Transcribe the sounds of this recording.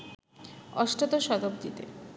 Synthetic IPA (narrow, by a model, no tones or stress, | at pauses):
ɔʃʈot̪oʃɔd̪ob̚d̪it̪ḛ